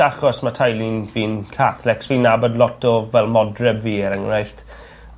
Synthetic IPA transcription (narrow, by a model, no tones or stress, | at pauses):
aχɔsmatʰajlinviːnkʰaθlɛksvinːabɔdlˠɔtʰɔvɛlˠmɔdrɛbviːəɾəŋrajɬt